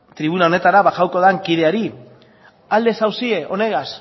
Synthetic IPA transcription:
t̪ɾiβunao̞ne̞t̪aɾaβaʝawko̞ð̞aŋkiðe̞aɾi | ald̪e̞sawsieʔo̞ne̞ɣas

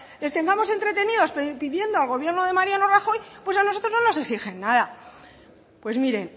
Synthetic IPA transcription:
le̞st̪e̞ŋɡamo̞se̞nt̪ɾe̞t̪e̞niðo̞sppiðje̞nd̪oalɣo̞βje̞ɾno̞ðe̞maɾjano̞raxo̞jpwe̞sanoso̞t̪ɾo̞znono̞se̞ksixe̞nːaða | pwe̞zmiɾe̞n

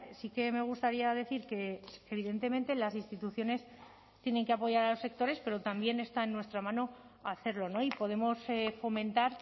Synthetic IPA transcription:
sike̞me̞ɣ̞ust̪aɾiað̞e̞θiɾke̞eβiðe̞nt̪e̞mẽ̞nt̪e̞lasinst̪it̪uθjo̞ne̞s | t̪jene̞ŋkeapo̞ʝaɾalo̞se̞k̚t̪o̞ɾe̞spe̞ɾo̞t̪ambje̞ne̞st̪aenːwe̞st̪ɾamãno̞ | aθe̞ɾlo̞no̞ipo̞ð̞e̞mo̞sefo̞mẽ̞nt̪aɾ

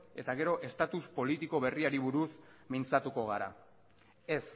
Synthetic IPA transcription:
e̞t̪aɣ̞e̞ɾo̞ʔe̞st̪at̪uspo̞lit̪iko̞β̞e̞riaɾiβuɾusmint͡sat̪uko̞ɣ̞aɾa̰ | e̞s

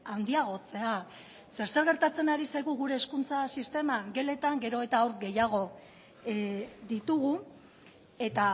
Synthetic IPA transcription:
and̪iaɣ̞o̞t͡se̞a | se̞ɾseɾɣeɾt̪at͡se̞naɾisajɣuɣuɾe̞ːskunt͡sasist̪e̞maŋɡe̞le̞t̪aŋɡe̞ɾo̞e̞t̪aawɾɡe̞jaɣ̞o̞ | ðit̪uɣu | e̞t̪a

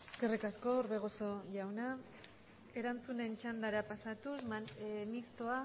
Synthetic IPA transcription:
eske̞rikasko̞ɾβe̞ɣ̞o̞so̞ʝawna | e̞ɾant͡sune̞nt͡ʃand̪aɾapasat̪usmist̪oa

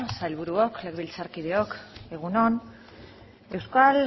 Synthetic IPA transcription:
sajlβ̞uɾuoklekβilt͡saɾkið̞eo̞ke̞ɣ̞uno̞n | e̞wskal

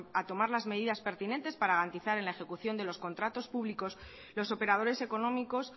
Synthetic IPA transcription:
at̪o̞maɾlazme̞ð̞iðaspe̞ɾt̪ine̞nt̪e̞spaɾaɣɾant̪iθaɾe̞nlaexe̞kuθjo̞nd̪e̞lo̞sko̞nt̪ɾat̪o̞spuβliko̞s | lo̞so̞pe̞ɾað̞o̞ɾe̞se̞ko̞nõ̞miko̞s

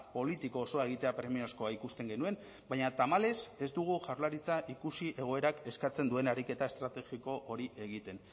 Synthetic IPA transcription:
po̞lit̪iko̞ːso̞ae̞ɣ̞it̪e̞apɾe̞mio̞sko̞aikust̪e̞ŋɡe̞nue̞m | bajɲat̪amale̞se̞zd̪uɣ̞uʝawɾlaɾit͡saʔikusiʔe̞ɣ̞o̞e̞ɾake̞skat͡se̞nd̪ue̞naɾike̞t̪ae̞st̪ɾat̪e̞ɣiko̞ʔo̞ɾiʔe̞ɣ̞it̪e̞n

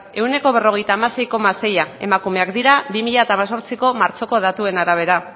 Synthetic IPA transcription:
e̞wne̞ko̞β̞e̞ro̞ɣ̞e̞jt̪aːmase̞jko̞mase̞jae̞̰makume̞akd̪iɾabimiʎaet̪aːmaso̞ɾt͡siko̞maɾt͡so̞ko̞ð̞at̪ue̞naɾaβ̞e̞ɾa

